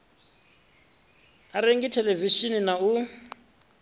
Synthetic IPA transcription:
aɾeŋɡitʰɛleviʃininau

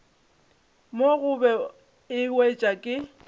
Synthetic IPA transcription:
moɣʊbɛ | ɪwet͡ʃʼakʼɪ

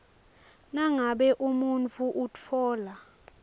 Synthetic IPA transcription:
naŋaɓɛʔumunt͡fʰuʔut͡fʰɔːla

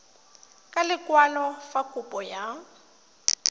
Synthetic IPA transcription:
kʼalɪkʼwalɔfakʼʊpʼɔja

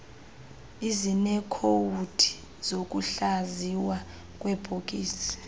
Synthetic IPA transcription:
izinɛkʰowutʰi̥ | z̥ok̬ʼuɬaziwa | kʼwɛb̥ʱokʼiːsi̥

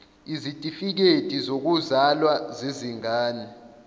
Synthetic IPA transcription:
izitʼifik̬etʼizok̬uzalwazeziŋaːnɛ

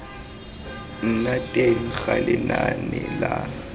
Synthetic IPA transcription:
n̩natʼeŋ̩xalɪnanɪla

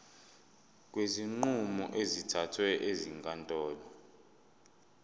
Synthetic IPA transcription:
k̬ʼweziŋ͡ǃumɔ̰ʔezitʰatʰwɛʔeziŋkʼantʼɔːlɔ

